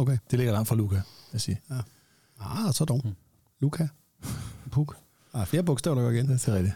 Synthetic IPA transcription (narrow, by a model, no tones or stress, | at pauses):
okʰed̥e̝leɡɐlɑ̈ŋ̰d̥fʁɑ̈lukʰææsiɐ | ɑsɒd̥ɒʊ̰ | lukʰæ | npʰuɡ̥ | ɑfle̝ːɐbɔ̽ɡ̥sd̥ɛ̰ʊɾ̥ɐɡɒiɡend̥æt͡sʰe̝lʁɛd̥i